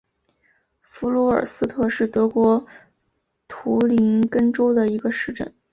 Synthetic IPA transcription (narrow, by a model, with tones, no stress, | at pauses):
fu˧˥lwɔ˧˥ə̰˞˨˩sɹ̩˥t̪ʰɤ˥˧ʂɻ̩˥˩t̪ɤ˧˥kwɔ˧˥ | t̪ʰu˧˥li˧˥nkə˥ŋʈ͡ʂo˥ʊd̪ə˨i˧˥ɡə˧ʂɻ̩˥˧ʈ͡ʂə̰˥˩n